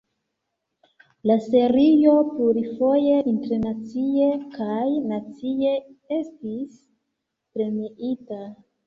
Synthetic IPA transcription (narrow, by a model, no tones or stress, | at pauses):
lase̞ɾijo̞pluɾifo̞je̞ʔinteɾnat͡sie̞kajnat͡sie̞e̞stis | pɾe̞miʔita